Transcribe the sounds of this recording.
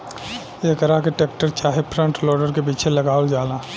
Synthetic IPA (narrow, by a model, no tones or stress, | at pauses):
eːkəɾakeʈeːk̚ʈəɾt͡ʃaːɦepʰɾə̃ɳʈlɔːɖəɾkepiːt͡ʃʰelɐɡaːold͡ʒaːlaː